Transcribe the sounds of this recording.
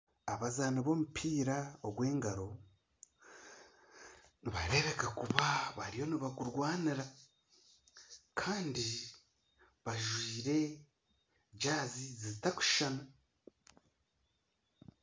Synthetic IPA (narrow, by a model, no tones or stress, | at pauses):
aβazaːnaβo̞ːmupʰiːɾaoɡwe̞ːŋɡaɾo̞ | niβaɾe̞βe̞kakuβaβaɾijo̞niβakuɾɡwaːniɾa | kʰaːndi | βaʒwiːɾe̞ | ɟaːzizizitaku̥ʃana